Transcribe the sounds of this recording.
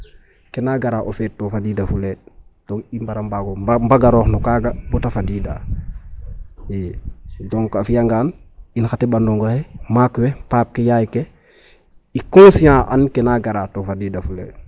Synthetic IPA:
kenaɡaɾaːʔofettːofadiːdafuled̥ɔŋimbaɾambaːɡombaɡaɾɔːxnukaːɡabutafadiːda̰ː | jedɔŋkafijaŋɡaːninxatebandɔŋɡohemakwepaːp̚kejajike | ikõːsijãːʔankenaːɡaɾaːtofadiːdafulḛ

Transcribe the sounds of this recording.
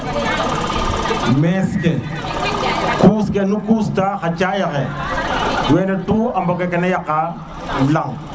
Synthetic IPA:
mɛskɛ | kuːskenukuːstaxat͡ʃajakɛ | wɛnɛtuambɔkɛkɛnɛjaka | laŋ

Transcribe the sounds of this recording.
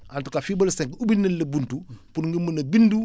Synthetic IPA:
antukafibolsɛ̃ŋkubinːɐnlɐbuntupunŋɡimənɐbindu

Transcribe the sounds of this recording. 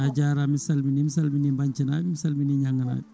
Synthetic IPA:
ad͡ʒaɾamɪsalminimɪsalminimbɐɲt͡ʃinamɪsalminiɲaŋɐna̰

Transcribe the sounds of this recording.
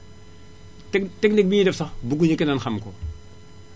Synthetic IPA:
tɛknik̚bidɛfsabuɡ̬uɲikinanxamko

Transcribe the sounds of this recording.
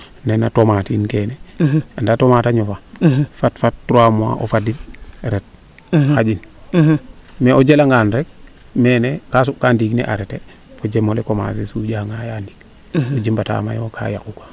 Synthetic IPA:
nenatomatinkeneandatomataɲofafatfat̚ːɾamua̰ʔo̰fadinɾet̚ | xad͡ʒin | meod͡ʒelaŋɡanɾek̚ | mɛnekas̬uʔkandiknḛʔaɾete | fod͡ʒemolekoma̰s̬esuːɟaŋajandik | od͡ʒimbata̰ma̰jokʰa̰ja̰kukḁ

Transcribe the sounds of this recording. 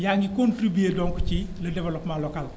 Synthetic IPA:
jaŋikontɾibueːdɔːŋkut͡ʃilɐdɛvɛlɔpmanlɔkal

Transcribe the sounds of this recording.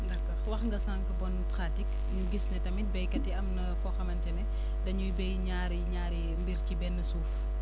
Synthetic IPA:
nɐkːɐwɐxŋɡɐsaːŋkɐbɔnpɾatik | ɲuɡisnɛtɐmit̚bɐjkɐtːiɐmnɐfɔːxɐmɐntɛnɛ | dɐɲubɛjɲaːɾiɲaːɾi | mbiɾcibɛnːəsuːf

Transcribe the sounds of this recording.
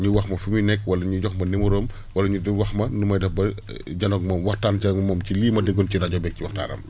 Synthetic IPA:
ɲuwɐxmɐfuminɛkːwɐlɐɲuɟɔxmɐnemuɾoːm | wɐlɐɲudwɐxmɐnumɐjdɐfbɐ | ɟɐnɔk̚mɔwɐxtaːncɐŋmɔːmciliːmɐdeɡont͡ʃinɐɟɔbɛk̚ciwɐxta̰ːnɐ̰m

